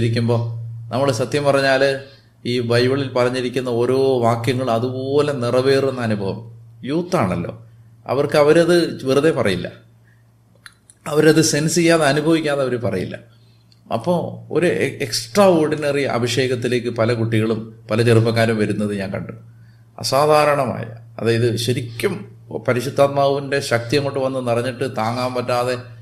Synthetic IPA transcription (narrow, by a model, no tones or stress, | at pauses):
ɾikʲːumbo̞ːnʔɐmːɐɭsɐt̪jɐmpɐrɐɲːaːl | iːbɐjʋɐɭilpɐrɐɲːiɾikʲːunːɐo̞ːɾo̞ːʋaːkjɐŋːɐɭɐðubooːlenirɐʋe̞ːre̞nːɐnubʱɐʋɐmjuːt̪ːaːɳɐlːo̞̰ː | ɐ̰ʋɐrkɨɐʋɐɾɐðɨʋirɨðe̞pɐrɐjilːɐ̰ | ɐʋɐɾɐðɨse̞nsijːaːðeɐnubʱɐʋikʲːaːðeɐʋɐɾupɐrɐ̰jḭlːɐ̰ | ɐ̰pːoːo̞̰ɾueksʈrɐo̞ːrɖinɐriɐ̰bʱiɕe̞ːɣɐt̪ːile̞ːk̬ːɨpɐlɐkuʈːiɣɐɭumpɐlɐt͡ɕerupːɐkːaːɾumʋɐɾunːɐðɨɲaːŋkɐɳɖu | ɐ̰saːd̪ʱaːɾɐɳɐma̰ːjɐ̰ | ɐðaːjɐðɨɕɐɾikʲːɐm | pɐɾiɕud̪ʱːaːt̪̚maːʋɐʋinde̞ɕɐk̚t̪ijɐŋːoːʈːɨʋɐnːɨnirɐɲːiʈːɨt̪aːŋːaːmpɐtːaːðe̞